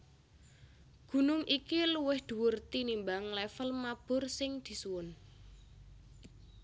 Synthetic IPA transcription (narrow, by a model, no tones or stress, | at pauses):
ɡ̥ṳnʊŋʔikiluwɪhd̪̥ṳwʊrt̪inimbaŋlɛfəlmab̥ʊ̤rsɪŋd̪̥i̤suwʊn